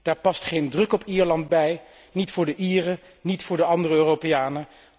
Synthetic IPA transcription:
d̥aːɹpɑstχejndrɵkɔpiːɹlɑndbɛj | nitfʊːɹdəʔiːrə | nitfʊːɹdəɑndərəøːropejaːnə

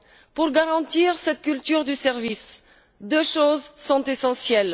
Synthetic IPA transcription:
puʁɡaʁɑ̃t̪iʁsɛt̪kʲylt̪yʁd̪ysɛʁvis | d̪øʃozsɔ̃t̪esɑ̃sjɛl

